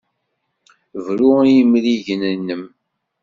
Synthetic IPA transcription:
vɾuɾjəmliʝənənːəm

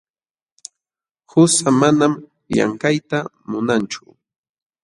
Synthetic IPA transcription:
hʊsamanam | ʎa̰ŋkajt̪a | mʊnant͡ʃʊ̥

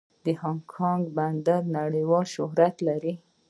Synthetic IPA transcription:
d̪əhɑŋkʰɑŋɡband̪aɾnaɽəjwɑlʃʊhɾat̪laɾi

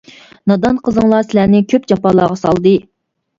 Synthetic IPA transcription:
nɑd̪ɑnqʰəzɨŋlˠɑsɪlæɾnɪkʲʰøp̚d͡ʒɑpɑlˠɑːʁɑsɑ̰lˠd̪ɨ

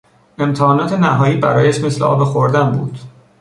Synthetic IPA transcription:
e̞mt̪ʰɒːnɒːt̪ʰe̞næɦɒːjiːbæɾɒːjæʃme̞sleɒ̰ːbexoɾd̪ænbṵːd̪̥

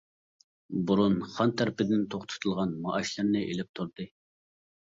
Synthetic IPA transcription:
buɾunχɑnt̪ʰæɾpɪd̪ɪnt̪ʰoχt̪ʰɨ̥t̪ʰɨlˠʁɑnmɑʔɑʃlˠɨɾnɨʔelɪp̚t̪ʰuɾd̪ɨ

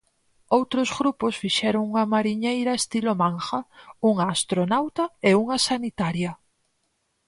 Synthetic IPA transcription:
owt̪ɾozɣɾuposfiʃɛɾoŋuŋɐmaɾiɲejɾɐest̪ilomãŋxɐuŋaːst̪ɾonawt̪ɐeuŋɐsanit̪aɾjɐ

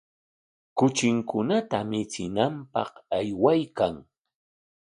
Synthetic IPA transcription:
kʊt͡ʃɪŋkʊnat̪amɪt͡sɪnampɑqajwajkaŋ

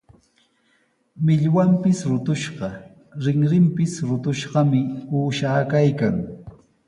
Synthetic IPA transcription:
mɪʎwampɪsɾʊt̪ʊʃɢɑ | ɾɪŋɾɪmpɪsɾʊt̪ʊʃɢɑmɪuːʃaːkajkaŋ

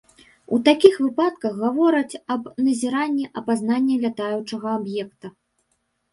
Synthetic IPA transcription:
ut̪akʲixvɨpat̪kɐɣɣavɔɾɐt͡sʲɐbnɐzʲɛɾanʲːɛʔɐpazn̪anʲːɛvʲat̪ajut͡ʂɐɣɐabjɛkt̪ɐ

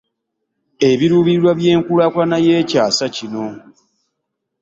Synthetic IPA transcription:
e̞βiɾuːβiɾwaβje̞ːŋkulakwanaje̞ːcaːsacino̞

